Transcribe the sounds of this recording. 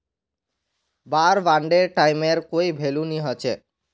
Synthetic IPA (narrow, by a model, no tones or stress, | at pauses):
baɾbaɳɖeɾʈajmeɾkoibʱeluniɦɔt͡ɕʰe